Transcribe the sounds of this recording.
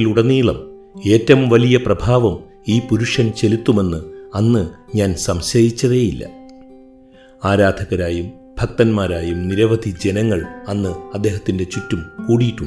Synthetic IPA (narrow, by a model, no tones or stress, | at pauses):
luɽɐnːiːɭɐm | e̞ːtːɐmʋɐlijɐprɐbʱaːʋɐm | iːpuɾuʂɐnt͡ɕe̞lit̪ːume̞nːɨɐnːɨɲaːnsɐmɕɐjit͡ɕːɐðejilːɐ̰ | aːɾaːd̪ʱɐɣɐɾaːjum | bʱɐk̚t̪ɐnmaːɾaːjumniɾɐʋɐd̪ʱid͡ʑenɐŋːɐɭɐnːɨɐd̪ːe̞ːɦɐt̪ːinde̞t͡ɕutːumkuːɽijiʈːuɳː